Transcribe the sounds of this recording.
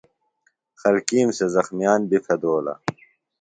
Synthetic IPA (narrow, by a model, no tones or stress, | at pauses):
xɐlkiːmsezɐxmijaːnbifʰɐd̪oːlɐ̰